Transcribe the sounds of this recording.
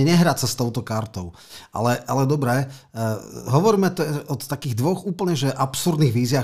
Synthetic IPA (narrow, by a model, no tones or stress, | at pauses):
ɛɲɛɦɾaːsast̪ɔʊt̪ɔkaɾt̪ɔʊ | ʔa̰lɛʔalɛd̪ɔbɾɛː | ɦɔʋɔɾiːmɛt̪ɔɔt̪ːakiːɣd̪ʋɔɣuːpl̩ɲɛʒɛʔapsuɾd̪niɣʋiːzɪaː